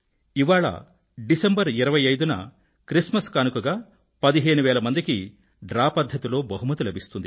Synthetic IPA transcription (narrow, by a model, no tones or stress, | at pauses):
iʋaːɭɐ̰ | ɖisɐmbɐɾiɾɐʋɐjɐjd̪unɐ̰ | kɾismɐskɐnukuɡaː | pɐd̪iɦeːnuʋɛːlɐmɐnd̪iki | ɖɾaːpɐd̪ʱjɐt̪ilo̞ːbɐɦumɐt̪ulɐbist̪und̪i